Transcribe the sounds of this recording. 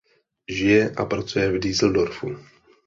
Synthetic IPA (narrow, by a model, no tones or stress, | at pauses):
ʒɪjɛʔa̰pɾat͡sujɛvdiːzl̩doɾfu